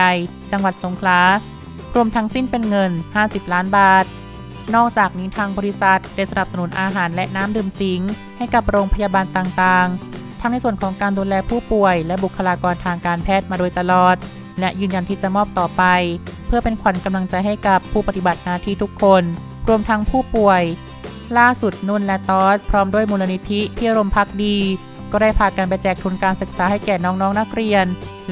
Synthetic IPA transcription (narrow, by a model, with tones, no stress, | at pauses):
j | t͡ɕa˧ŋwa˨˩t̪̚so˩˦ŋkʰlaː˩˦ | ɾu˧əmt̪ʰa˦˥ŋsi˥˩npe˧nŋɤ˧nhaː˥˩si˨˩p̚laː˦˥nbaː˨˩t̪̚ | nɔː˥˩k̚t͡ɕaː˨˩k̚niː˦˥t̪ʰaː˧ŋbɔː˧ɾi˦˥sa˨˩t̪̚da˥˩jsa˧na˨˩p̚sa˧nuː˨˩˦nʔaː˧ɦaː˩˦nlɛ˦˥ʔnaː˦˥mdɯː˨˩msi˨˩˦ŋ | ha˥˩jka˨˩p̚ɾoː˧ŋpʰa˧jaː˧baː˧nt̪aː˨˩ŋt̪aː˨˩ŋt̪ʰa˦˥ŋna˧jsu˨˩ənkʰɔː˩˦ŋkaː˧nduː˧lɛː˧pʰuː˥˩pu˨˩əjlɛ˦˥bu˨˩kʰːa˧laː˧kɔː˧nt̪ʰaː˧ŋkaː˧npʰɛː˥˩t̪̚maː˧doː˧jt̪a˧lɔː˨˩t̪̚ | lɛ˦˥ʔjɯː˧nja˧nt̪ʰiː˥˩t͡ɕa˨˩mɔː˥˩p̚t̪ɔː˨˩pa˧jpʰɯ˥˩ɐpe˧nkʰa˨˩˦nka˧mla˧ŋt͡ɕa˧jɦa˥˩jka˨˩pʰːuː˥˩pa˧t̪i˨˩ba˨˩t̪̚naː˧t̪ʰiː˥˩t̪ʰu˦˥kʰːo˧n | ɾu˧əmt̪ʰa˦˥ŋpʰuː˥˩pu˨˩əj | laː˥˩su˨˩t̪̚nu˥˩˨nlɛ˦˥t̪ɔː˦˥t̪̚pʰɾɔː˦˥mdu˥˩əjmuː˧la˧ni˦˥t̪ʰi˦˥t̪ʰiː˥˩ʔa˧ɾo˧mpʰa˦˥k̚diː˧ | kɔː˥˩daː˥˩jpʰaː˧˩ka˧np̬a˧jt͡ɕɛː˨˩k̚t̪ʰu˧nkaː˧nsɯ˨˩k̚saː˨˦ɦa˥˩jkɛː˨˩nɔː˦˥ŋnɔː˦˥ŋna˦˥k̚ɾi˧ən